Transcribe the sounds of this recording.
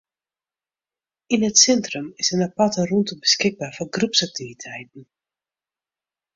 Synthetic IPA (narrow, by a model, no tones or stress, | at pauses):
inətsɛntrəmɪsənapatəruntəbəskɪɡ̚baːrfɔnɡrupsak̚tivitʰɛjtn̩